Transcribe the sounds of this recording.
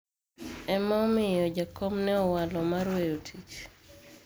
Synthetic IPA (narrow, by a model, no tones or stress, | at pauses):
ɛmamɪjɔd͡ʒakomnɛɔwalɔmaɾwejotʰit͡ʃ